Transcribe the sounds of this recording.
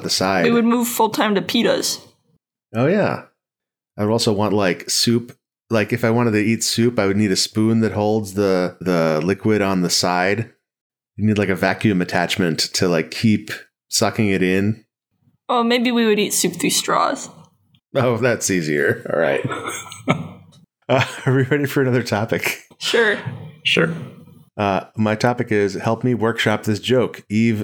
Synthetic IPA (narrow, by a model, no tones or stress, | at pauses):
t̪̚ðɨsaɪwiiwɨd̚muv̥fʊlˠtʰãɪ̃mtɨpʰiɾo̰z̥ | oʊjæ̰ | aɪwəɾɔlˠsoʊwɑ̃nʔlaɪksʉp | laɪkɨfaɪwɑ̃ɾ̃ɨɾɨitsʉpaɪwɨdⁿniɾɨspũnðɨt̚hoʊlˠdzðəðəlɪkwɪɾn̩ðəsaɪd | jɨnidˡlaɪkɨvækjʉ̃mɨtʰæt͡ʃmɨ̃ntʰɨlaɪkʰːip | sʌkɪ̃ŋɨɾɪ̃n | omeɪbiwiwɨɾitsʉpθʉstɹ̥ɔ̰z̥ | oʊðætsiziə̰˞ɔ̰lˠɹa̰ɪt̚ | ʌə˞wiɹɛɾiɨfə˞ɨnʌðə˞tʰɑpɨkʃʊɹʃʊ̰ɹ | ʔʌmaɪtʰɑpɨkɪz̥hɛlˠp̚miwɜ˞kʃɑp̚ðɪsd̥ʒ̥oʊkiv